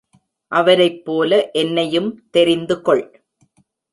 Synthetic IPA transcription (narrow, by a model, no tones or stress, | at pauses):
ʔɐʋɐɾɐɪpːoːlɐʔɛnːɐjɯmt̪ɛɾɪnd̪ɯkɔɭ